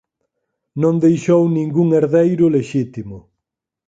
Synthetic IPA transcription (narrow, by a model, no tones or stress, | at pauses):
nõŋd̪ejʃownĩŋɡuŋeɾðejɾʊleʃit̪imʊ